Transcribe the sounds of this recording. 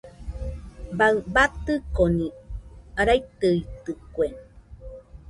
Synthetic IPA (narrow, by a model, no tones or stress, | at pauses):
baɨbat̪ɨkoniaɾajt̪ɨit̪ɨkʷeŋ